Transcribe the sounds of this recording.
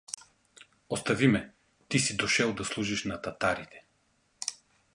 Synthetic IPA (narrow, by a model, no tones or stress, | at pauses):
ost̪ɐvimɛ | t̪isid̪oʃɛlˠd̪ɐslˠuʒiʃnɐt̪ɐt̪aɾit̪ʰɛ̥